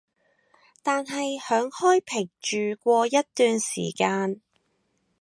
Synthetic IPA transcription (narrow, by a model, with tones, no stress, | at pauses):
t̪aː˨nɦɐ˨jhœː˨˥ŋhɔː˥jpʰɪ˨˩ŋt͡ʃyː˨kʷɔː˧jɐ˥t̚t̪yː˨nsḭː˨˩kaː˧n